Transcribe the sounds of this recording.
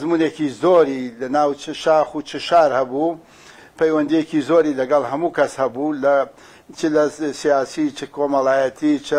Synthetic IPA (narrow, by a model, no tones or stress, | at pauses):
zmuːnekizoːɾilɐnaːwt͡ʃʰɨʃaːxut͡ʃʰɨʃaːɾhɐbu | pʰɐjwɐnd̪ijekizoːɾilɐɡɐlˠhɐmuːkʰɐshɐbulɐ | t͡ʃɨlɐsijaːsit͡ʃʰɨkʰoːmɐlaːjɐt̪ʰit͡ʃʰɨ